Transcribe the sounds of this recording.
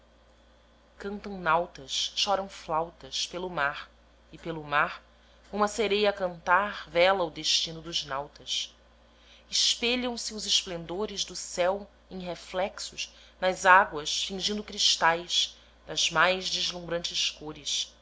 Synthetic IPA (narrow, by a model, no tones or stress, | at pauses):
kɐ̃nt̪ɐ̃w̃nawt̪ɐsʃɔɾɐ̃w̃flawt̪ɐspelʊmaɾ | ɪpelʊmaɾ | ũmɐseɾejɐkɐ̃nt̪aɾvɛlɐʊd̪eʃt͡ʃĩnʊd̪ʊznawt̪ɐs | ɪʃpeʎɐ̃w̃sɪʊzɪʃplẽnd̪oɾɪʒd̪ʊsɛw | ẽj̃ɦeflɛksʊʃnɐzaɡwɐsfĩŋʒĩnd̪ʊkɾiʃt̪ajʃ | d̪̥ɐz̥majzd͡ʒizlũmbɾɐ̃nt͡ʃɪskoɾɪʃ